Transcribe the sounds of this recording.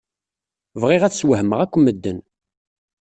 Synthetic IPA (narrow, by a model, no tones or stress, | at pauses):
vʁɪʁæt͡sswəɦəməʁækʷːəməd̪ːən